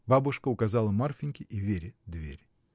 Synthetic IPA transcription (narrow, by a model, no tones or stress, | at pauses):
babʊʂkəʊkɐzalˠəmarfʲɪnʲkʲɪʔivʲeɾʲd̪vʲḛɾʲ